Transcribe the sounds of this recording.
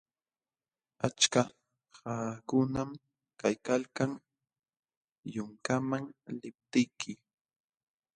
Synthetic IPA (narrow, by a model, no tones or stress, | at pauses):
at͡ʃka | haːkʊnam | kajkalkaŋ | jʊŋkamaŋlɪp̚t̪ɪjkʰɪ